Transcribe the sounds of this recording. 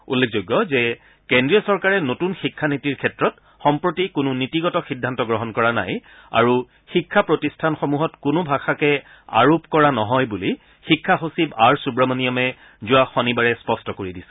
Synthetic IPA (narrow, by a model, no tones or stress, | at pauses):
ṵlːekʰzoɡːɔzɛ | kendɹijɔsɔɹkaɹɛnotunxikʰːanitiɹkʰɛtɹɔt | xɔmpɹotikʊnʊnitiɡɔtɔxidʱːantɔɡɹɔɦɔnkɔɹana̰j | a̰ɹu | xikʰːapɹotistʰanxɔmuɦɔtkʊnʊbʱaxakɛ | a̰ɹopkɔɹanɔɦɔjbuli | xikʰːaɦosibaɹsubɹamaniɔmɛ | zʊaxɔnibaɹɛspɔstɔkoɹidisɛ̥